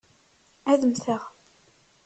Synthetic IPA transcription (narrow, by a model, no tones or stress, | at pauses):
æðəmθəʁ